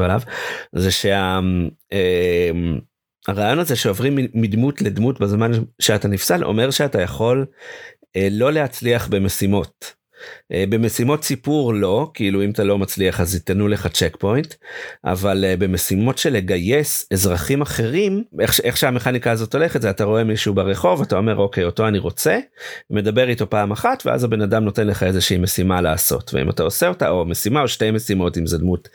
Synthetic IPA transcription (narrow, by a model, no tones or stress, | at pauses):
alavzeʃe̞a | em | aʁaːjo̞naze̞ʃeovʁimiːidmutle̞dmutbezmanʃeatanifsalʔo̰me̞ʁʃeatajaχo̞l | eːo̞le̞ɦat͡sliaχbe̞me̞simo̞t̚ | ʔebe̞me̞simo̞tsipuʁlo̞kiiluimatalo̞mat͡sliaχazitanule̞χat͡ʃekpo̞jntʔa̰valbe̞mesimo̞tʃe̞le̞ɡajesezʁaχimaχe̞ʁimeχʃeχʃeame̞χanikaːzo̞to̞le̞χetzeataʁo̞e̞miʃuːbaʁeχo̞vatao̞me̞ʁoke̞jo̞to̞aniʁo̞t͡se̞me̞dabe̞ʁito̞paːmaχatveʔa̰zabe̞nadamno̞te̞nleχae̞zeʃiːme̞simalaaso̞̰tvḛḭma̰taoseo̞ta̰omesimaoʃtejme̞simo̞timzedmut